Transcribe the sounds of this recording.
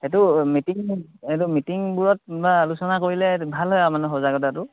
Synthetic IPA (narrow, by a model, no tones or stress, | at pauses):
hɛt̬umitiŋhɛt̬umitiŋbuɹɔt̚balusɔnakoɹilɛbʱalɦɔjamanuxɔzaɡɔtatʊ